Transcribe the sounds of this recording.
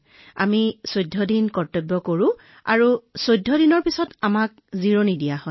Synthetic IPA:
a̰misojdʱːɔdinkɔɹtobːɔkoɹʊ̃ | a̰ɹusojdʱːɔdinɔɹpisɔtamak̚ziɹonidijahɔ

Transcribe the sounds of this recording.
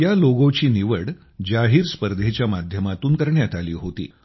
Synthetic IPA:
jaloɡõt͡ɕiːniʋəɽ | d͡ʑaɦiːɾspəɾd̪ʱet͡ɕjamad̪ʱjəmat̪uːnkəɾɳjat̪alḭːɦot̪ḭː

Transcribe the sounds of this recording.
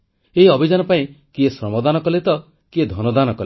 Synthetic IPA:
eɦiɔbʱid͡ʒanɔpaĩkiesɾɔmɔd̪anɔkɔlet̪ɔ | kied̪ʱɔnɔd̪anɔkɔl

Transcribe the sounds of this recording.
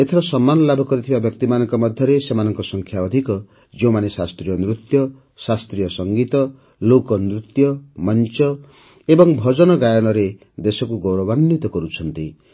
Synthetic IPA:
et̪ʰeɾɔsɔmːanɔlabʱɔkɔɾit̪ʰibabjʌk̚t̪imanɔŋkɔmɔd̪ʱjɔɾesemanɔŋkɔsɔŋkʰjaɔd̪ʱikɔ | d͡ʒew̃manesast̪ɾijɔnɾut̪jɔ | sast̪ɾijɔsɔŋɡit̪ɔ | lokɔnɾut̪jɔmɔnt͡ʃɔ | ebɔŋbʱɔd͡ʒɔnɔɡajɔnɔɾe | d̪esɔkuɡɔwɾɔbanːit̪ɔkɔɾut͡ʃʰɔnt̪i

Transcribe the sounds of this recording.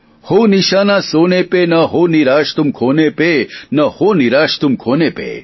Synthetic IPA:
honiʃaːnaːsoːnepenɐɦoniɾaːʃt̪umkʰoːnepenɐhoniɾaːʃt̪umkʰoːnepḛ

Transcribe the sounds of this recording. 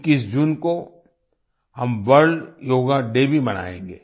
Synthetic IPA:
kiːsd͡ʒuːnko | hɐmʋɐɽɭjoːɡãɖeːbʱibɐna̰ːḛ̃ːŋɡḛː

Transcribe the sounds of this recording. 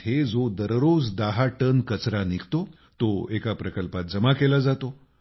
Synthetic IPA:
ɦed͡zod̪əɾɾod͡zd̪aɦaʈənkət͡sɾanikʰt̪o | t̪oekapɾəkəlpat̪̚d͡zəmakelad͡zat̪o

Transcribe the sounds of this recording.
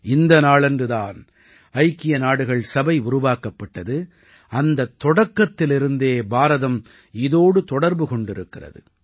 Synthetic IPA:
ɪnd̪ɐnaːɭɛndrɯðaːn | ɐɪkːɪjɐnaːɽɯɣɐɭsɐbɐɪʊɾʊʋaːkɐpːɐʈːɐðɯ | ɐnd̪ɐt̪ːɔɽɐkːɐt̪ːɪlɪɾɯnd̪eːbaːɾɐðɐm | ɪðoːɽɯt̪ɔɽɐɾbɯkɔɳɖɪɾɯkːɪrɐ̰ðɯ̰

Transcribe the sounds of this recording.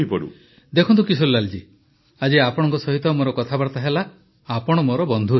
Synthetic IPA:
ipɔɽṵ | d̪ekʰɔnt̪̬ukis̬olːald͡ʒi | ad͡ʒeapɔɽ̃ɔŋkɔsɔɦit̪ɔmoɾɔkɔt̪ʰabaɾt̪aɦela | apɔɽ̃ɔmoɾɔbɔnd̪ʱue

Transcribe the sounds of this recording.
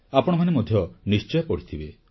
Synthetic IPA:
apɔɽ̃ɔm̤anemod̪ʱjɔnist͡ʃɔjɔpɔɽ̤it̪ʰibe

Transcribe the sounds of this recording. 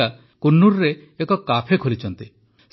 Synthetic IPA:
a | kunːuɾɾeːkɔkapʰekʰolit͡ʃʰɔnt̪i | s

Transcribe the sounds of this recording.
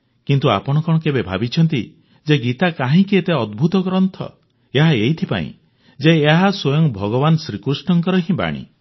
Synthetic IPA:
kint̪ua̰pɔɽ̃ɔkɔɽ̃ɔkebebʱa̰bit͡ʃʰɔnt̪i | d͡ʒeɡit̪akaɦĩkiet̪eɔd̪bʱut̪ɔɡɔɾɔnt̪ʰɔ̰ | eɦaejt̪ʰipa̰ḭ̃ | d͡ʒeːɦaswɔjɔŋbʱɔɡɔbanɔsɾikɾusʈɔŋkɔɾɔɦĩba̰ɽ̃ḭ

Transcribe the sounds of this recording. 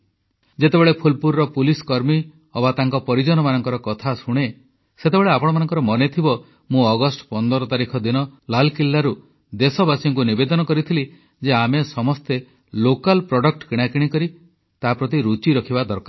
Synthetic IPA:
d͡ʒet̪ebeɭepʰulpuɾɾɔpuliskɔɾmi | ɔbat̪aŋkɔpɔɾid͡ʒɔnɔmanɔŋkɔɾɔkɔt̪ʰasuɽ̃e | set̪ebeɭeapɔɽ̃ɔmanɔŋkɔɾɔmɔnet̪ʰibɔ | mũɔɡɔsʈpɔnd̪ɔɾɔt̪aɾikʰɔd̪inɔlalkilːaɾu | d̪esɔbasiŋk̬unibed̪ɔnɔkɔɾit̪ʰili | d͡ʒeamesɔmɔst̪e | lokalpɾɔɽɔk̚ʈkiɽ̃akiɽ̃ikɔɾi | t̪apɾɔt̪̬iɾut͡ʃiɾɔkʰibad̪ɔɾka

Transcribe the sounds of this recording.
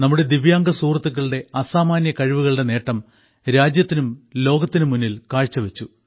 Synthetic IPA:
nɐmːuɽe̞d̪iʋjaːŋɡɐsuːrɐt̪ːuk̬ːɐɭɨɽe̞ɐsaːmaːnjɐkɐɻiʋuɣɐɭɽe̞ne̞ːʈːɐm | ɾaːd͡ʑjɐt̪ːinumlo̞ːɡɐt̪ːinumunːilkaːɻt͡ɕːɐʋet͡ɕːu

